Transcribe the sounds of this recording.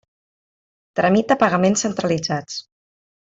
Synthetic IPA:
t̪ɾəmit̪̚əpəɣəmensənt̪ɾəlid͡zat͡s

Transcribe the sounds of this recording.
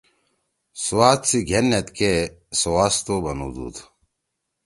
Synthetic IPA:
suwaːt̪siɡʱenːet̪kesowaːst̪obɐnṵd̪ṵːt̪

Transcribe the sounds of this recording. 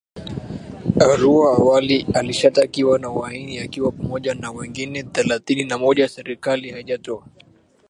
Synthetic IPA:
aɾuaːwalialiʃatakiwanawainiakiwapamɔʄanawɛŋɡinɛθɛlaθininamɔʄajasɛɾikalihaiʄatɔa

